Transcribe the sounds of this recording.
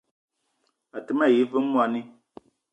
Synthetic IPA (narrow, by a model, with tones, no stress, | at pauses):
a˨tɨ˨˦ma˦˨ji˨˦vɨ˦m˦mu˦a˨ni˦